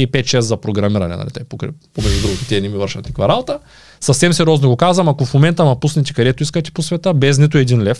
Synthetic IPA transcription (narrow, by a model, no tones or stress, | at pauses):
ipɛt̪t͡ʃɛszɐpɾoɡɾɐmiɾɐnɛ̰nɐ̰lḭt̪ɛ̰ipokɾɛ̰pomɛʒd̪ʲud̪ɾuɡʊt̪ʊ̥t̪ʲɛnimivəɾʃɐ̰t̪ikvɐɾalˠt̪ə | sɐsɛmsɛɾʲɔznoɡokazvɐmakofmomɛnt̪ɐnɐpusnɛt̪ɛ̥kɐd̪ɛt̪oiskɐt̪ɛ̥posvɛt̪əbɛz̬nit̪ʊɛd̪inlɛf